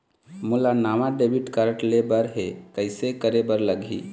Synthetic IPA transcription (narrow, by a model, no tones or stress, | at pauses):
mʊlanaːmaɖebiʈkaɾəʈlebəɾɦekəɪsekəɾebəɾləɡʱḭ